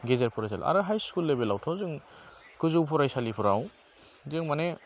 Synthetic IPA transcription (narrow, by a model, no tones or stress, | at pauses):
ɡezeɾpʰɔɾajsa̰l̰a̰ɾɯɦajskulːebelawtʰawzɯŋkɯzuwpʰuɾajsalipʰuɾaw | zɯŋmane